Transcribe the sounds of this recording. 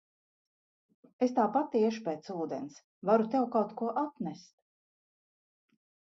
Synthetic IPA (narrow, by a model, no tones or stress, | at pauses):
est̪aːpat̪ːiɛʃu̥peːt̪suːd̪ḛns | vaɾut̪ɛwkawt̪kuɔʔat̪nɛst̪̚